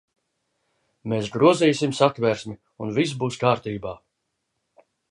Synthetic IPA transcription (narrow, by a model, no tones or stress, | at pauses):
meːsɡɾuɔzɛːjsimsat̪væɾsʲmi | unvis̬buːskaːɾt̪iːbaː